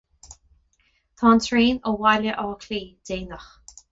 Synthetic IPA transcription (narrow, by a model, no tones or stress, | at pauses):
t̪ʰɑːntʰɹiːnəwaləʔɔːkʰliːd̥eːnəx